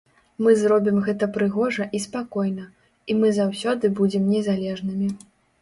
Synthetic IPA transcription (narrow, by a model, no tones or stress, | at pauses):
mɨzɾɔbʲimɣɛt̪ɐpɾɨɣɔʐɐʔispakɔjnɐ | imɨzawsʲɔd̪ɨbud͡zʲɛmnʲɛzalʲɛʐnɨmʲi